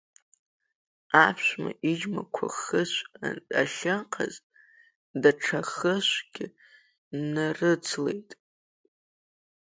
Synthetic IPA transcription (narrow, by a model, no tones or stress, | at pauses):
apʰʃʷmaʔid͡ʒmakʷʰaχəʃʷa̰ɬɨqʰaz | daʈ͡ʂʰaχəʃʷɡ̥ʲɪ | narɨt͡sʰle̞jtʼ